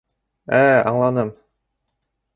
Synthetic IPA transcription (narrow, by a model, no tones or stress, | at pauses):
æɑ̰ɴlˠɑnɤm